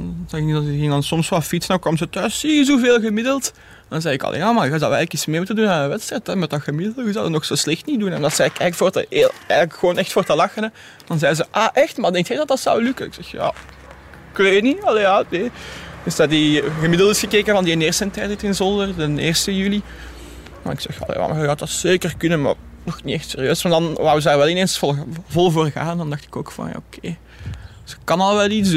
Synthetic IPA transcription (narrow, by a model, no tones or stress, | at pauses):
nzɛxɪk̚nidɑtɪɣɪŋdɑnsɔmsfɑlˠfitsənɔwkwɑmzətœːsizuveːlˠɣəmɪdəlˠt | dɑnzɛjɪkɑ̰lʔḛjaːmaːɣaːzɑwɛ̰ɣləkitsmeːmutəndunaːəʋɛtstrɛtɛmɛtdɑxəmɪdələkəzɔwdɑtnɔxsoslɛxtnidunɛnɑlˠsəɛkɛkfoːrtə̰lɛ̰jɣələkxəʋoːnɛxtfoːrtəlɑxənə | d̥ɑnzɛjzəʔaʔɛxtmadɛŋktxɛjdɑt̚dɑtsɔ̰wlʉkəɪ̰ksɛxja̰ | kleːniɑleaneːdɪsdɑdiɣəmɪdəlˠtɪsxəkeːkənvɑndieneːrstəntɛjtɛtɪnzɔldərdənɪːrstəjyli | ma̰ɪksɛ̰xɑ̰lḛʋa̰mɑt̚dɑtseːkərkʏnəma̰r | nɔxniɛxtsḛːrijøːsmandɑnʋaːwəz̬daːrʋɛlˠɪneːnsflvɔlˠvoːrɣa̰ːnəndɑndɑxtɪ̥koːkfɑ̰nja̰ːokʰeː | z̥əkːɑnɑlˠʋɛlˠits